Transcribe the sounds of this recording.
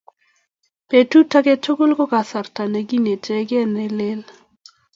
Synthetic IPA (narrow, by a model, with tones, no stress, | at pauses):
pe˨tu˦ta˦ke˦tʰo˦ɡo˦lko˦ka˨sa˨rta˨ne˨ɡi˦ne˨tʰɛ˦ɡɛ˦ne˦le˦l